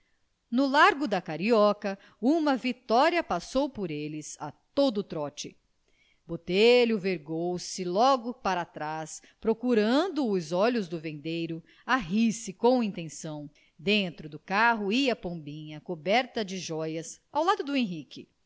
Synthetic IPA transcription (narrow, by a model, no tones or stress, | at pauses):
nʊlaɾɡʊd̪ɐkaɾiɔkɐ | ũmɐvit̪ɔɾiɐpasowpoɾelɪza̰t̪od̪ʊt̪ɾɔt͡ʃɪ̰ | bot̪eʎʊveɾɡowsɪlɔɡʊpaɾat̪ɾas | pɾokuɾɐ̃nd̪ʊːzɔʎʊzd̪ʊvẽnd̪ejɾʊ | aɦisɪkõw̃ĩnt̪ẽsɐ̃w̃ | d̪ẽnt̪ɾʊd̪ʊkaɦʊiɐpõbĩɲɐkobɛɾt̪ɐd͡ʒɪʒɔjɐsawlad̪ʊd̪ʊẽɦiki